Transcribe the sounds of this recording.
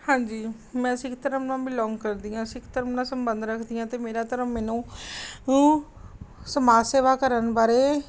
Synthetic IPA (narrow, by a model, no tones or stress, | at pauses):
hãːɲd͡ʒiː | mɛ̃ːsɪkʰt̪əɾəmnãːbiːlɔːŋɡkəɾd̪iːãːsɪkʰt̪əɾəmnãːsəmbənd̪ɾəkʰd̪ijãːt̪eːmeːɾaːt̪əɾəmmɛːnũː | səmaːseːʋaːkəɾənbaːɾeː